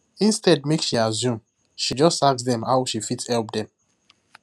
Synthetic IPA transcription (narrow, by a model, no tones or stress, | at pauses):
ĩnstɛd̚mekʃiazũm | ʃid͡ʒɔstaksdɛ̃mhawʃifitshɛlp̚dɛ̃m